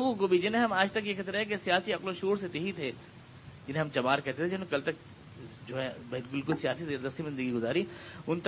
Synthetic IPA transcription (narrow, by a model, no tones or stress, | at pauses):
ukobʱid͡ʒɪnɦẽɦɐmaːd͡ʒt̪ɐk̬jexɪt̪ɾɦɛk̬esijaːsiɐqlõʃuːɾset̪eɦit̪ʰeː | d͡ʒɪnɦẽɦɐmt͡ʃɐmaːɾkɛɦt̪et̪ʰed͡ʒɪnokɐlt̪ɐk̚ | d͡ʒoːɦɛ̃beːlɡɪlkʊsijaːsizeːɾd̪əst̪ʰizɪ̃nd̪əɡiɡʊzaːɾiʊnt̪